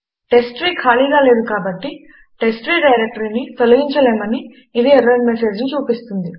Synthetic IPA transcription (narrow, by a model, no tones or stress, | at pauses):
ʈesʈɾiːkʰaːliːɡaːle̞ːd̪ukaːbɐʈːi | ʈesʈɾiːɖɐjɾek̚ʈɐɾinit̪olɐɡiɲt͡ʃɐleːmɐniː | d̪iɛɾːɐnmese̞ːd͡ʒnut͡ʃuːpist̪und̪i